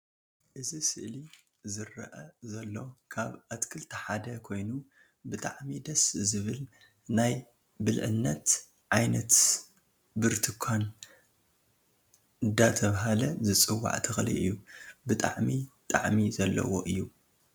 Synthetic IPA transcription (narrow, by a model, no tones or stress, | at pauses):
ʔɨzisɨʔli | zɨɾːɐ̰ʔɐzɐlːo̞kʰaβʔat̪kʰɨlt̪ʰɐħad̪ɐkʰo̞jnu | bɨt̪ʼaʕmid̪ɐszɨβɨl | naj | bɨlʕɨ̰nːɐt̪ | ʕajnɐt̪ | bɨɾt̪ʰɨkʰan | ɨd̪ːat̪ʰɐβɦalɐzɨt͡sʼɨwːa̰ʕt̪ʰɨxlḭʔɨjːubɨt̪ʼa̰ʕmit̪ʼaʕmizɐlːɐ̰wo̰ʔɨjːu